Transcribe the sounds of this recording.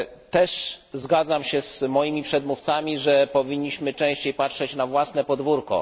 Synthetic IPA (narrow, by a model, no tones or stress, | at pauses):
t̪ɛʂzɡad̪zamɕɛzmɔjimʲipʂɛd̪muft̪samʲiʐɛpɔvʲiɲːiɕmɘt͡ʂɛ̃w̃ɕt͡ɕejpatʂɛt͡ɕnavwasnɛpɔd̪vuɾkɔ̰